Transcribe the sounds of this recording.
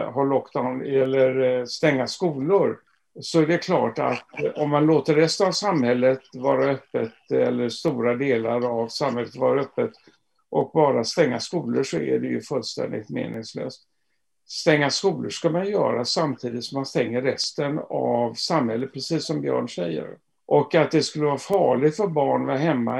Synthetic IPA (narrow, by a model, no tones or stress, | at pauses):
ɦaɭɔkd̪anɛlːəɾst̪ɛŋːaskuːlʊɾ | sɔæɖɛkʰlɑːʈa̰t̪ɔmːanloːt̪əɾɛst̪ənavsamhɛlːət̪vɑːɾaœpːət̪ɛlːəʂt̪uːɾad̪eːlaɾavsamːhɛlːət̪vɑ̰ːɾaœpːət̪ | ʔɔk̚bɑːɾast̪ɛŋːaskuːləʂɔæ̰ɖɛjɵ̰fɵlst̪ɛ̰nd̪ɪ̰t̪mḛːnɪŋslø̰ːst̪ | st̪ɛŋːaskuːləʂkamanjœːɾasamt̪ʰiːd̪ɪt̪sɔmanst̪ɛŋːəɾɛst̪ənavsamhɛlːət̪̚pʰɾɛsiːsːɔmbjœ̰ːɳʂɛjːə̰ɾ | ʔɔkat̪̚d̪ɛskɵlːəvɑːɾfɑːɭɪɡ̪fœɾbɑːɳvɛɦɛmːa̰